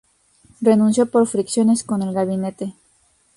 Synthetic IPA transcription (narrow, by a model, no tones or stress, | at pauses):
renũnsjopo̞ɾfɾiksjo̞nesko̞ne̞lɣaβinet̪e